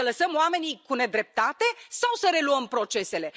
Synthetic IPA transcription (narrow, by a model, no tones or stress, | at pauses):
ələsəmoame̞nikune̞d̪ɾe̞p̚t̪at̪e̞sawsəɾe̞luəmpɾo̞t͡ʃe̞se̞le̞